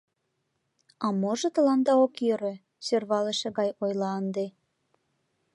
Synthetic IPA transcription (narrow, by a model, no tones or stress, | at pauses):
ɑmoʒɤ̆t̪ə̆lɑnd̪ɑokjøɾø̆ | sørβɑleʃĕɣɑjojlɑənd̪e